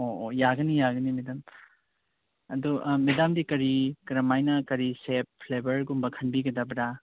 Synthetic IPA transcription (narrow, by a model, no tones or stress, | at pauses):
oojaɡɐnijaɡɐnimedam | ɐd̪umedamdikɐɾikɾɐmajnɐkɐɾisep̚pʰlebɐɾɡumbɐkʰɐnbiɡɐdabɾa